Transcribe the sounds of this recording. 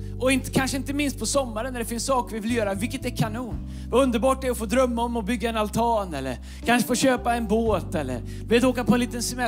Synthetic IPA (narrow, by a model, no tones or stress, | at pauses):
ʔɔɪnt̪əkʰanʂəɪnt̪əmɪnst̪̚pʰɔsɔmːaɾənːæɖɛfɪnssɑːkvɪvɪljœːɾavɪlkːət̪ɛɾkʰanuːn | vaɵnd̪əɾbɑːʈ̚ɛɾɔfoːd̪ɾœmːaɔmːɔbʏɡːaɛnalt̪ʰɑːnɛlːə̰ɾ | kʰanʂəfoːɕøːpaɛnboːt̪ɛlːə̰ɾ | d̪əveːt̪oːkapʰɔɛnliːt̪ənsɛmɛ